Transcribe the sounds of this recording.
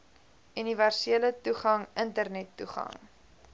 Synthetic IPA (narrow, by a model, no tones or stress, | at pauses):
yniværsiələtuχɐŋʔəntərnɛtːuχɐ̰ŋ